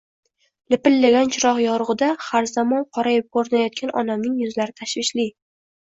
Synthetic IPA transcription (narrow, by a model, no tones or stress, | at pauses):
lɪpɪlːaɡʲant͡ʃʰɪɾɒqjɒɾʊʁɨd̪aχaɾzamɒnqʰɒɾajɪp̚koɾɪnajɒt̪̚kʲanʔɒ̰namnɪŋjʊzlaɾɪt̪ʰaʃvɪʃlɪ